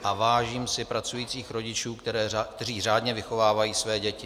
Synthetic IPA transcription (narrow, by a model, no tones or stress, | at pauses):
ʔavaːʒiːmsɪpɾat͡sujiːt͡siːxɾo̞ɟɪt͡ʃuːkt̪ɛɾɛːakt̪ɛriːraːd̪ɲɛvɪxo̞vaːvajiːsvɛːɟɛcɪ